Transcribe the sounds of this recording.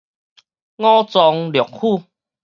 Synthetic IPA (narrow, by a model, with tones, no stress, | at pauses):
ŋɔ̃˦t͡sɔ˧ŋljɔ˨˩k̚hu˥˨